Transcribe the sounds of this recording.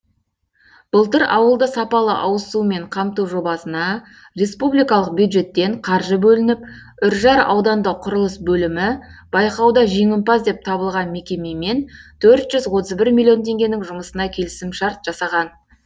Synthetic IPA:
b̥əlˠt̪əɾɑwəlˠd̪əsɑpɑlˠə̰ʔɑwəsume̞ɴqʰɑmt̪uwʒo̞bɑsənɑ | re̞spublijkɑlˠəq̚bjud̪ʒe̞t̪ːe̞ɴqʰɑɾʒəbɵlɪnɪp̚ | ʏɾʒɑɾɑ̰wd̪ɑnd̪əqʰʊɾəlˠəsbɵlɪmɪb̥ɑjqɑwd̪ɑʒe̞ŋʲɪmpɑsd̪e̞p̚t̪ʰɑbəlˠʁɑnme̞kʲe̞me̞me̞nt̪ʰɵɾt̪ʒ̥ʏzwo̞t̪əzbɪɾmʲilʲˠijo̞nt̪ʰe̞ŋɡʲe̞nɪŋʒʊməsənɑkʲʰe̞lɪsɪmʃɑɾt̪ʒ̥ɑsɑʁɑn

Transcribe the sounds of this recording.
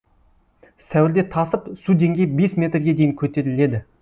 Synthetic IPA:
sæwɪɾd̪e̞t̪ʰɑsəpsud̪e̞ŋɡʲe̞jbe̞smʲe̞t̪rɡʲe̞d̪e̞jɪŋkʲʰɵt̪e̞ɾɪle̞d̪ɪ

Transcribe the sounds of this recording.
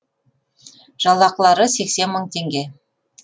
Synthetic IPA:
ʒ̥ɑlˠːɑqəlˠɑɾəse̞kse̞nməɴt̪ʰe̞ŋɡʲe̞

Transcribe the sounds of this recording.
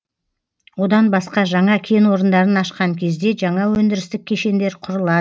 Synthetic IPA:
wo̞d̪ɑnbɑsqɑʒɑɴɑkʲʰe̞nwo̞ɾənd̪ɑɾənɑʃqɑŋkʲʰe̞zd̪e̞ʒɑɴɑwɵnd̪ɪɾɪst̪ɪk̚ʲʰːe̞ʃe̞nd̪e̞ɾqʰʊɾəlˠɑd̪ə

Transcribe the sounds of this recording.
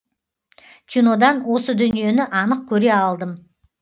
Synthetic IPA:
kʲʰino̞d̪ɑnwo̞səd̪ʏnije̞nɪʔɑnəq̚kʲʰɵɾe̞ɑlˠd̪əm

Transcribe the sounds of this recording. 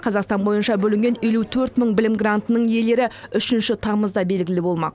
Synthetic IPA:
qʰɑzɑqst̪ɑnbo̞jənʃɑbɵlɪŋɡʲenelut̪ʰɵɾt̪məɴbɪlɪmɡrant̪ənəɴje̞le̞ɾɪʏʃɪnʃɪt̪ʰɑməzd̪ɑbe̞lɡʲɪlɪbo̞lˠmɑ̰q

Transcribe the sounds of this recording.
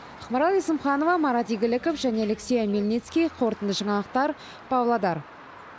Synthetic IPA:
əχməɾɑlˠijsəmχɑno̞vɑmɑɾɑt̪iɡʲɪlɪkofʒæne̞leksʲejamelʲnʲet̪skʲijqʰo̞ɾt̪ənd̪əʒɑɴɑlˠəq̚t̪ɑɾ | pɑwlˠɑd̪ɑɾ

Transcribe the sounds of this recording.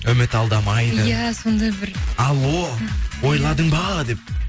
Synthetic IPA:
ɵmɪt̪ɑlˠd̪ɑmɑjd̪əjæsond̪ɑbɪɾɑlˠowo̞jlˠɑɾd̪əɴbɑəd̪e̞p̚

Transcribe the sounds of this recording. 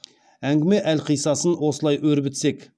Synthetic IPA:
æŋɡʲɪme̞ʔælqʰijsɑsənwo̞səlˠɑjʔɵɾbɪt̪se̞k

